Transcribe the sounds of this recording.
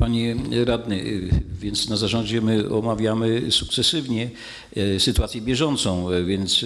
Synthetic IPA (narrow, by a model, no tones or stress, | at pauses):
paɲɛɾad̪nɛvʲjɛnt̪snazaʐɔɲd͡ʑɛmɘɔmavʲjamɘsuk̚t̪sɛsɘvɲɛ | sɘt̪uat̪sʲjɛbʲjɛʐɔnt̪sɔ̃w̃vʲjɛnt̪s